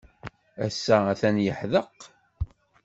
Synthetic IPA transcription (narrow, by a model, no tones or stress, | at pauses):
æsːææθænjəħðəq